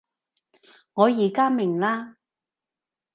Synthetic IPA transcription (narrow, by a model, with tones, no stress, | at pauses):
ŋɔː˨˧jiː˨˩kaː˥mɪ˨˩ŋlaː˥